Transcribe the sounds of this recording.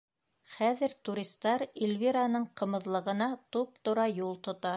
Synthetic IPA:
χæðɘ̆ɾt̪uɾʲist̪ːɑɾilʲviɾanɤɴqɤ̆mɤ̆ðlˠɤ̆ʁɤ̆nɑt̪up̚t̪ŏɾɑjulˠt̪ŏt̪ɑ

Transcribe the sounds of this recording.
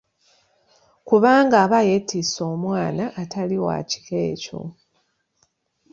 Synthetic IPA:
kuβaːŋɡaːβajetːiso̞ːmwaːnaʔːtʰaliwa̰ci̥keːco̰

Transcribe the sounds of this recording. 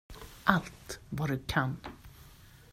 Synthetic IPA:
ʔalt̪vad̪ɵkʰan

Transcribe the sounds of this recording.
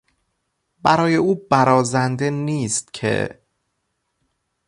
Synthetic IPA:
bæɾɒːje̞uːbæɾɒːzænd̪e̞niːst̪cʰe̞̰

